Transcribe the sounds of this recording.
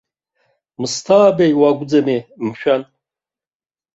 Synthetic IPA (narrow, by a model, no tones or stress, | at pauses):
mɨstʰaːbejwaɡʷd͡zamem̩ʃᶣan